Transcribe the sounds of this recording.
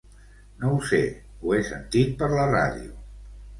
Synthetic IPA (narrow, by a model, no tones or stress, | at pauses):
nowsḛ | uesə̰nt̪it̪̚pəɾləra̰ðiu